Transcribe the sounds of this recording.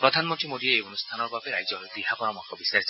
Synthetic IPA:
pɾɔd̪ʱanmɔnʈimod̪ieejonust̪ʰanɔɾbabeɾajd͡ʒɔɦojt̪iɦapɔɾɔmɔkɔbisaɾisɔ

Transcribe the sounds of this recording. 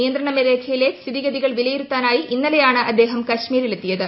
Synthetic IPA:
nijɐnd̪ɾɐɳɐmeðeːkʰɐjile̞st̪ʰiðiɣɐðiɣɐɭʋilɐjiɾut̪ːaːnaːjiʔinːɐlɐjaːɳɨʔɐd̪ːeːɦɐmkɐʂmiːɾilet̪ːijɐðɨ

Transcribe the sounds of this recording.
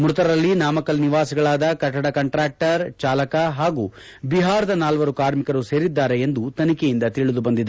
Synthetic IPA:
mɾut̪ɐɾɐɾɐlːinaːmɐkɐlniʋaːsiɡɐɭaːd̪ɐkɐʈːɐɽɐkɐɳʈɾaːk̚ʈɐɾt͡ʃaːlɐkɐɦaːɡuː | biɦaːɾɐd̪ɐnaːlʋɐɾukaːɾmikɐɾuse̞ːɾid̪ːaːɾeend̪ut̪ɐnikejind̪ɐt̪iɭud̪ubɐnd̪id̪

